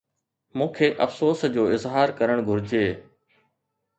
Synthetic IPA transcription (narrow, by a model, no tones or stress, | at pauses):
mũːkʰeːʔɐfsoːsd͡ʑoːɪzɦaːɾkɐɾəɽ̃ɡʱʊɾɪd͡ʑeː